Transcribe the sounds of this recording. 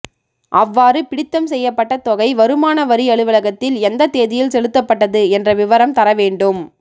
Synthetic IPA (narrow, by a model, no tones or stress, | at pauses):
ʔɐʋːaːɾɯpɪɽɪt̪ːɐmsɛjːɐpːɐʈːɐt̪ɔɣɐɪʋɐɾɯmaːnɐʋɐɾiɐɭɯʋɐlɐɣɐt̪ːɪlɛnd̪ɐt̪ːeːðɪjɪlsɛlɯt̪ːɐpːɐʈːɐðɯɛndrɐʋɪʋɐɾɐmt̪ɐɾɐʋeːɳɖɯm